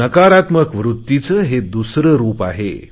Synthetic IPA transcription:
əkaɾat̪məkʋɾut̪ːit͡səɦed̪usɾəɾuːpaɦḛ

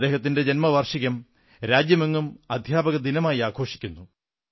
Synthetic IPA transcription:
d̪e̞ːɦɐt̪̬ːinde̞d͡ʑenmɐʋɐrʂiɣɐm | ɾaːd͡ʑjɐmeŋːumɐd̪ʱjaːbɐɣɐd̪inɐmaːjiaːkʰo̞ːʂi̥kʲːunːu

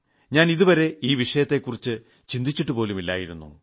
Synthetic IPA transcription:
ɲaːniðuʋɐɾe̞iːʋiʂɐjɐt̪ːe̞kːurit͡ɕːɨ | t͡ɕind̪it͡ɕːiʈːupo̞ːlumilːa̰ːjiɾunːṵ

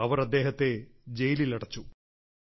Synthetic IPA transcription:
ɐʋɐɾɐd̪ːe̞ːɦɐt̪ːe̞d͡ʑejililɐɽɐt͡ɕːu

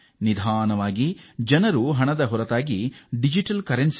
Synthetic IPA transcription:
nid̪ʱaːnɐʋaːɡid͡ʒɐnɐɾuɦɐɳɐd̪ɐɦɔɾɐt̪aːɡiɖid͡ʒiʈɐlkɐɾens

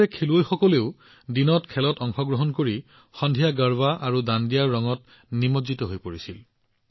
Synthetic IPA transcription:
ɛkʰeluojxɔkɔleʊ | dinɔtkʰɛlɔtɔŋxɔɡɹɔɦɔnkoɹi | xɔndʱijaɡəɹbaʔaɹudandijaɹɹːɔŋɔt̚ | nimozitɔɦojpoɹisil

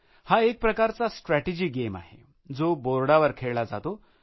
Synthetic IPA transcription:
haek̚pɾəkaɾt͡sasʈɾæʈed͡ʑiːɡema̰ɦḛ | d͡zoboɾɽaʋəɾkʰeɭɭad͡za̰t̪o

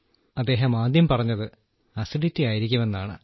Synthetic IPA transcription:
ɐd̪ːe̞ːɦɐmaːd̪jɐmpɐrɐɲːɐðɨ | ɐsiɖitːijaːjiɾikʲːume̞nːaːɳɨ̰

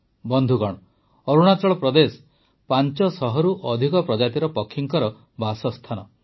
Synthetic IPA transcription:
bɔnd̪ʱuɡɔɽ̃ɔ | ɔɾuɽ̃at͡ʃɔɭɔpɾɔd̪esɔ̥ | pant͡ʃɔsɔɦɔɾuʔɔd̪ʱikɔpɾɔd͡ʒat̪iɾɔpɔkʰːiŋkɔɾɔ | basɔst̪ʰanɔ

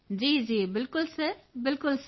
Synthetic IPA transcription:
d͡ʑiːd͡ʑiːbɪlkʊlsebɪlkʊls

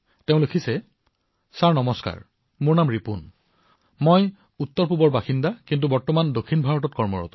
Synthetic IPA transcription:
teʊ̃lokʰisɛ | saɹnɔmɔska̰ɹ | muɹnamɹipun | moj | utːɔɹpubɔɹbaxindakint̬ubɔɹtɔmandokʰːinbʱaɹɔtɔt̚kɔɹmɔ̰ɹɔ̰tɔ

